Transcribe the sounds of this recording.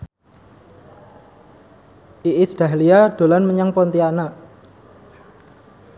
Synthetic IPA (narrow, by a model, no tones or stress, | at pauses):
ʔiʔisd̥a̤ɦliaɖ̪̥o̤lanməɲaŋpɔnt̪iana